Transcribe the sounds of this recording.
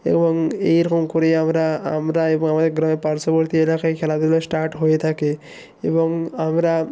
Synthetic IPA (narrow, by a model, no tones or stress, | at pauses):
ḛbɔŋejɾɔkomkoɾeamɾaa̰mɾaebɔŋamad̪eɾɡɾameɾpaɾsɔboɾt̪ielakaekʰɛlad̪ilosʈaɾʈɦojet̪ʰake | ḛbɔŋamɾa